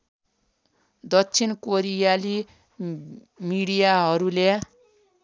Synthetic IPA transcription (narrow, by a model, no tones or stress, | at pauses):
d̪ʌt͡sʰinkoɾijali | miɽijaɦʌɾule